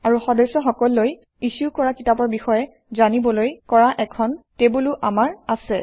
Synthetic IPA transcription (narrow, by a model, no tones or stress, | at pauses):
aɹuxɔdɔsɔxɔkɔlːoj | isukɔɹakitapɔɹbixɔjɛ | zanibɔlojkɔɹaʔɛkʰɔntebuluʔamaɹasɛ